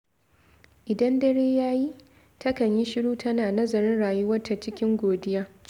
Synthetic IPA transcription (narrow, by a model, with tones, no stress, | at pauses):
ʔɪ˨dɐ˦ndɐ˦ɾeː˦jaː˦ji˦ | tʰɐ˦kɐ˨ɲji˦ʃɪ˦ɽuː˦tʰɐ˦naː˨nɐ˦zɐ˨ɾɪ˦nɽaː˨jʊ˦wɐ˦rtːa˨t͡ʃɪ˦kʲɪ˦ŋɡʷoː˨dɪ˦jaː˦